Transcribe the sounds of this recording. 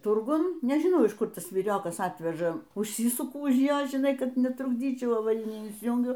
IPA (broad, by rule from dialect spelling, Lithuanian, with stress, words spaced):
ˈtʊrɡʊn nʲɛʒʲɪˈnɐʊ ɪʃ ˈkʊr ˈtɐs ʋʲiːˈrʲoːkɐs ˈɑːtʲʋʲɛʒɐ ʊʃʲˈsʲiːsʊkʊ ʊʃ ˈjoː ʒʲɪˈnɐɪ ˈkɐt nʲɛtrʊɡˈdʲiːt͡ʃʲɛʊ ɐʋɐˈrʲɪnʲiː ɪnʲsʲɪˈjuːŋʲɡʲʊ